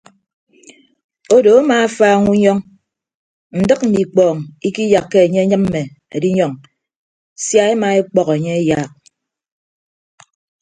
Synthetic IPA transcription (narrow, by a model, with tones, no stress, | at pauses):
o˦do˨a˦maː˨a˦faː˦ŋu˦ɲɔ˦ŋ | n̩˨dɨ˦k̚m̩˨ni˨k͡pɔː˨ŋi˦ki˦ja˨kːe˦e˨ɲe˦ɲɨ˦mm̩˦me˨ | e˨di˦ɲɔ˨ŋ | sja˦e˦ma˨e˦k͡pɔ˦ke˨ɲe˦e˦ja˦˨k̚